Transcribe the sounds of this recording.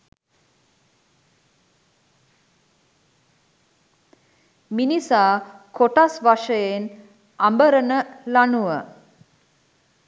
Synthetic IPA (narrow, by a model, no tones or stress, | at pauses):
minisaːkoʈasʋaʂəjen | ambəɾənəlanuʋə